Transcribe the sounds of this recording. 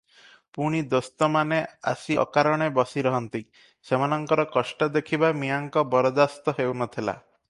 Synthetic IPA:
puɽ̃id̪ost̪ɔmanea̰siɔ̰kaɾɔɽ̃ebɔsiɾɔɦɔnt̪i | semanɔŋkɔɾɔkɔsʈɔd̪ekʰibamiaŋkɔbɔɾɔd̪ast̪ɔɦewnɔt̪ʰila̰

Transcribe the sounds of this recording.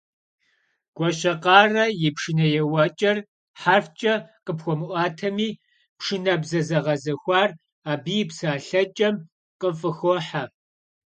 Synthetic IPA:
ɡ̥ʷɔɕɐqɑːrɐjɪpʂɨnɐjɛwɐt͡ʃʼɐr | ħarft͡ʃʼɐqəpxʷɔmɨʔʷɑːtʰɐmiː | pʂɨnɐbzɐzɐʁɐzɐxʷɑːr | aːbiːjpsaːɬɐt͡ʃʼɐm | qəfʼɨxʷɔħa

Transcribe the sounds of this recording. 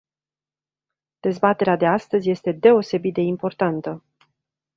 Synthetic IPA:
d̪̥e̞zbat̪e̞ɾead̪e̞ast̪əzʲje̞st̪e̞d̪e̞o̞se̞bit̪̚d̪e̞impo̞rt̪ant̪ə

